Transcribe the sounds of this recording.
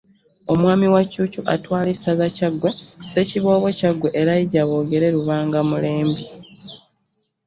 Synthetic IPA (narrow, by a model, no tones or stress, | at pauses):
o̞mwaːmiwacuːcuʔatwaːlisazacaɡwese̞ciβo̞ːβo̞caɡwe̞ʔeɾaiɟaβo̞ːɡe̞ɾe̞ɾuβaːŋɡamule̞ːmbi